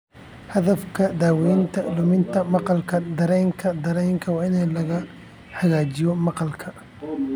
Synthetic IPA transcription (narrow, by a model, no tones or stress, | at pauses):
hɐðɐfkʰɐd̪aːwɛjnt̪ʰɐɖʊmɪnt̪ʰɐmɑqɑlkʰɐd̪ɐɾɛːŋkʰɐd̪ɐɾɛːŋkʰɐwɑːɪnɛlɐɣɐ | ħɐɣaːt͡ʃɪjɔmɑqɑlkʰɐ